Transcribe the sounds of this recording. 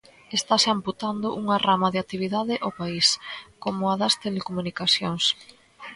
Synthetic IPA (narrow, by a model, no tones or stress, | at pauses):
est̪aʃamput̪and̪ʊʔuŋɐramɐðeat̪iβ̞iðaðɪʔopaiskomʊɐðɐst̪elekomunikaθjoŋs